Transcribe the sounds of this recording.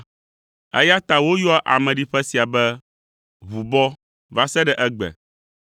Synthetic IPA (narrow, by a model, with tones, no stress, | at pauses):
ɛ̰˦ja˦t̪a˨wo˦jɔ˦a˦ʔa̰˨mɛ̃˨ɖi˦ɸɛ˦si˨a˨bɛ˦ | βu˨bɔ˦ | va˦sɛ˦ɖɛ˨ʔɛ˦ɡ͡bɛ̰˨